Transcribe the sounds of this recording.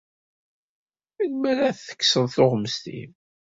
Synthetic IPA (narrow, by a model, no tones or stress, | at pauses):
inmæɾaθθə̥kːsəðθoʁməst̪ḭm